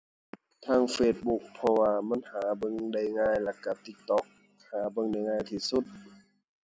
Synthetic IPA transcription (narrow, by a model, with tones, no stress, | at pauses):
t̪ʰaː˧˨ŋfeː˧˩t̪̚bu˧k̚pʰɔ˧waː˧ma˧˥˨nhaː˨˩˦bɤ˧˨ŋda˧˩jŋaː˧˨jla˧kːa˧˩t̪i˧˦k̚t̪ɔ˧˦k̚ | haː˨˩˦bɤ˧˨ŋda˧˩jŋaː˧jt̪ʰiː˧˩su˧˦t̪̚